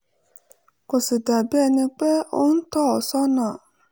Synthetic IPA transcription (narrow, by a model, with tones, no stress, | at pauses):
kʊ˨sɪ˨da˨bi˦ɛ˦˨nɪ̃˧k͡pe˦o˦n̩˦tɔ˦ɔ˨sɔ˦nã˨